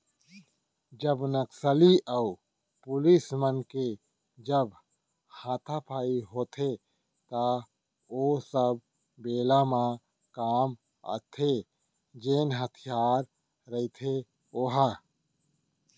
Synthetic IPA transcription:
d͡ʒəbnəksəliʔəu | pʊlismənke | d͡ʒəb | hãːt̪ʰapʰaːiɦoːt̪ʰe | t̪a | oːsəb̚ | beːlamã | kaːm | ə̰t̪ʰe | d͡ʒeːnɦət̪ʰijaːɾ | ɾəit̪ʰe | oːɦa

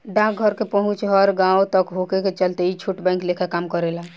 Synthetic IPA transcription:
ɖãk̚ɡʱəɾkepəɦũt͡ʃɦəɾɡãot̪əkɦokeket͡ʃəlt̪eit͡ʃʰuʈbə̃ɪ̃ŋklekʰekamkəɾela

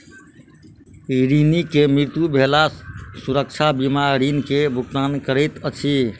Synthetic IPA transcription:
ɾinikemɾiɾt̪jubʱelasuɾək̚t͡ʃʰabimaɾinkebʱukt̪ankəɾəjt̪ət͡ʃʰi

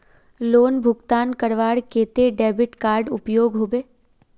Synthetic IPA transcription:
loːnbʱʊɡt̪aːnkəɾʋaːɽkeːt̪eɖɛːbɪʈkaːɾɖʊpjoːɡɦoːbeː

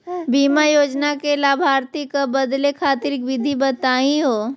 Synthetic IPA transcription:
biːmajoːd͡ʒnakelaːbʱaːɾt̪ikabəd̪lekʰaːt̪iɾɪkʋɪd̪ʱibət̪aːĩɦoː

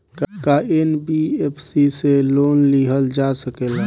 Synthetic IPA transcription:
kkaenbiepʰsiseloːnliɦəld͡ʒasəkel

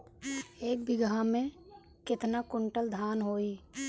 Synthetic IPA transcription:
eːk̚bɪɡamẽ | kɪt̪nakʊɳʈəld̪ʱaːnɦoːiː

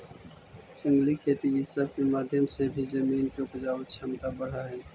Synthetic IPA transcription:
t͡ʃə̃ŋɡlikʰeːt̪iɪsəb̚kemaːd̪ʱjəmsebʱizɐmiːnkeʊpd͡ʒaːt͡ʃʰɐmt̪abəɽ̤aɦɛː

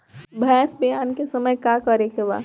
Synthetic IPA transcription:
bʱɛːsbijaːnkesɐməjkakəɾekeʋa̰ː

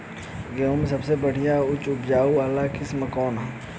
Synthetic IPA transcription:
ɡemsɐbsebɐɽ̤ijaʊt͡ʃʊpd͡ʒaːuʋaːlakɪsmɐkɔːnɦɛ̃

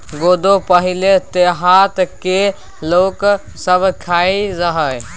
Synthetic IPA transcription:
ɡod̪opəɦilet̪eɦat̪ke | lok | səbʱkʰaiɾəɦəj

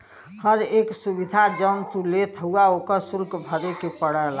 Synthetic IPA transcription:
həɾeksubid̪ʱad͡ʒənt̪ulet̪ʰɦuaokəɾsulkbʱəɾekepəɽəl

